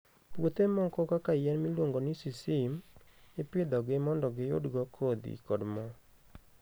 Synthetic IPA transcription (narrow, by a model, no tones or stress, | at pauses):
pwot̪emɔkɔkakajɛnmilwoŋɡonisisimɪpɪd̪ɔɡɪmɔndɔɡɪjo̰dɡɔkʰod̪ḭkɔdmɔ